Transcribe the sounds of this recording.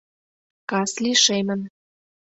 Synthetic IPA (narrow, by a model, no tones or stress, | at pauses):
kɑsliʃemə̆n